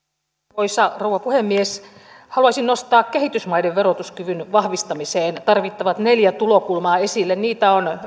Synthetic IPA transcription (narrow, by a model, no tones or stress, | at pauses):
oisɑrouʋɑpuhemːies | hɑluɑsinnost̪ɑːkkehit̪ysmɑideʋʋerot̪uskyʋynʋɑhʋist̪ɑmiseːnt̪ɑrʋit̪ːɑʋɑt̪neljæt̪ulokulmɑːesilːenniːt̪æon